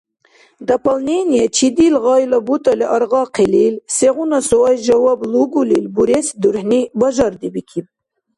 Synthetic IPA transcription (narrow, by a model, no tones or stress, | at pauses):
d̪apalnenijet͡ʃʰid̪ilʁɑjlabut̪aleʔaɾʁɑqililseɣunasoɑjʒawɑbluɡulilbuɾesid̪uɾhnibaʒɑɾd̪ibikʰib̚